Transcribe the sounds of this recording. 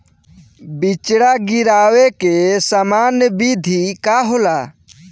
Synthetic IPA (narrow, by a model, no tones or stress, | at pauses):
bit͡ʃɽaɡiɾaːwekesəmanbid̪ʱikaɦola